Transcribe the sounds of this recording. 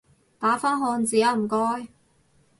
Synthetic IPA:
t̪aː˨˥faː˥nɦɔː˧nt͡siː˨˥jɐ˨˧m̩˨˩kɔː˥j

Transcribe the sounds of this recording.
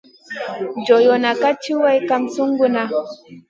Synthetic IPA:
d͡ʒo˨jɔ˨na˨ka˦t͡ʃi˦wa˦jka˦msu˦ŋɡu˦na˦

